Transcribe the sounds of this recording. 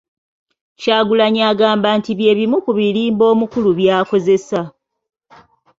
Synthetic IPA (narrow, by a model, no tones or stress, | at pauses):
caːɡulaɲaːɡaːmbaːntiβje̞ːβimukuβiliːmbo̞ːmukuluβjaːko̞ze̞sa